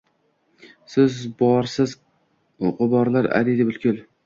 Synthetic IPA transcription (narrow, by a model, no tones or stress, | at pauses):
sɪzbɒɾsɪz | oqʊbɒɾlaɾa̰ɾid̪ɪbɪlkʲʰʊl